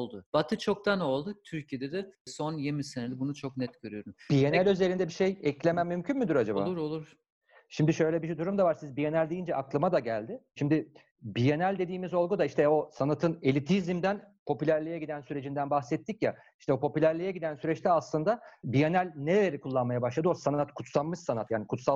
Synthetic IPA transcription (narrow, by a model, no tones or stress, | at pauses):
olˠd̪ʊb̥at̪ʰɯt͡ʃʰo̞k̚t̪ano̞lˠd̪ʊt̪ʰyɾcijed̪ɛd̪ɛsonjemisenelʲibunut͡ʃʰo̞knɛt̪ɟ̥øɾyjo̞ɾumbijenælʲøze̞ɾind̪ɛbiʃejɛclʲe̞mæmmːymcʰynmyd̪yɾad͡ʒaboa̰uɾolˠuɾ | ʃimd̪iʃø̞jlʲɛbiʃd̪uɾumd̪avaɾsizbije̞nælʲd̪ejind͡ʒɛʔaklˠɯmad̪aɟælʲd̪ɪʃimd̪ɪ | bije̞nælʲd̪e̞d̪iːmizo̞lˠɡud̪aiʃt̪ʰɛo̞sanat̪ʰɯne̞lʲit̪ʰizimd̪ænpʰo̞pylʲæɾlʲijɛɟid̪ænsyɾe̞d͡ʒind̪ænbaxsɛt̪ʰːicja | iʃt̪ʰɛopʰo̞pylʲæɾlʲijɛɟid̪ænsyɾɛt͡ʃt̪ʰɛaslˠɯnd̪abije̞nælʲneɾelʲeɾikʰulˠːanmajabaʃlˠad̪ɯo̞sanat̪kʰut̪sanˠmɯʃsanat̪jaːnikʰut̪sa